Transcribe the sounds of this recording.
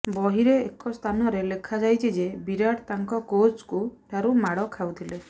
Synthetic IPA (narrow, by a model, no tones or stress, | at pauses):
bɔɦiɾeːkɔst̪ʰanɔɾelekʰad͡ʒajt͡ʃʰid͡ʒebiɾaɽt̪aŋkɔkot͡ʃkuʈʰaɾumaɽɔkʰawt̪ʰile